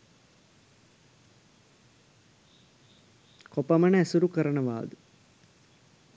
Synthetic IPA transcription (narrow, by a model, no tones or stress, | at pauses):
kopɐmənəæsuɾukəɾənəʋa̰ːd̪ə